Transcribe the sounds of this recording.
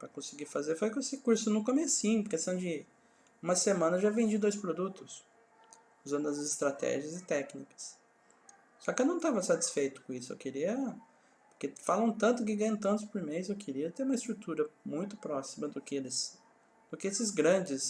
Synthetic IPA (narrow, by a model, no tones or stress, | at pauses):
pɾɐkõsɪɡiɾfazefojkesɪkuɾsʊnʊkomesĩɲʊkest̪ɐ̃w̃d͡ʒɪ | ũmɐsemɐ̃nɐʒavẽnd͡ʒid̪ojspɾod̪ut̪ʊs | uzɐ̃nd̪ʊɐzɪst̪ɾat̪ɛ̰ʒiɐzɪt̪ɛknikɐ̥s | sɔkɪewnɐ̃w̃t̪avɐsat͡ʃi̥sfejt̪ʊ̥kõisʊḛwkɪɾiɐ | poɾkefalɐ̃w̃t̪ɐ̃nt̪ʊk̬ɪɡɐ̃j̃ɐ̃t̪ɐ̃nt̪ʊspoɾmejzewkʰɪɾiɐt̪eɾũmɐɪst̪ɾut̪uɾɐmũj̃t̪ʊpɾɔsimɐd̪ʊkelɪs | d̪̥ʊkɪesɪzɡɾɐ̃d͡ʒɪs